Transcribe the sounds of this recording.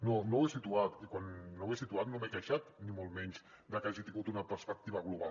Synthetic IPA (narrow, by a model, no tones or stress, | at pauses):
nonowesit̪uat̪ikwanːoawesit̪uat̪nomekaʃat̪nimolˠmɛɲz | d̪əkaʒit̪iŋɡut̪unəpəɾspək̚t̪iβəɣluβa